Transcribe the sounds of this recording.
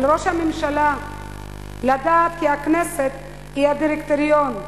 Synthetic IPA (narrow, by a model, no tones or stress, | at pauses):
lɾo̞ʃhamimʃala | lad̪aːt̪kiakneset̪ | hihad̪iɾekt̪oɾio̞n